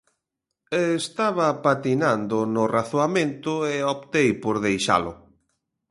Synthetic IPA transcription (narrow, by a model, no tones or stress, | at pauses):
est̪aβapat̪inand̪ʊnʊraθoamẽnt̪ʊɪopt̪ejpoɾð̞ejʃa̰lʊ